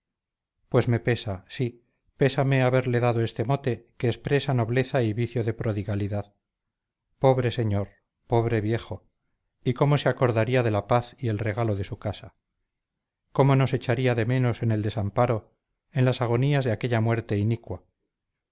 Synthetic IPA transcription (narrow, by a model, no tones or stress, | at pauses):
pwe̞zme̞pe̞sasi | pe̞same̞aβe̞ɾle̞ðaðoe̞st̪e̞mo̞t̪ekeːspɾe̞sano̞βle̞θaiβiθjo̞ðe̞pɾo̞ðiɣaliðað | po̞βɾe̞se̞ɲo̞ɾ | po̞βɾe̞βje̞xo̞ | iko̞mo̞seako̞ɾðaɾiaðe̞lapaθie̞lre̞ɣalo̞ðe̞sukasa | ko̞mo̞no̞se̞t͡ʃaɾiaðe̞me̞no̞se̞ne̞ld̪e̞sampaɾo | enlasaɣ̞o̞niazðeake̞ʎamwe̞ɾt̪e̞inikwa